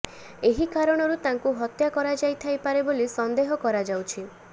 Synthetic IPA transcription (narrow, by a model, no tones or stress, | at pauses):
eɦikaɾɔɽ̃ɔɾut̪ãŋkuɦɔt̪jakɔɾad͡ʒajt̪ʰajpaɾebolisɔnd̪eɦɔkɔɾad͡ʒawt͡ʃʰi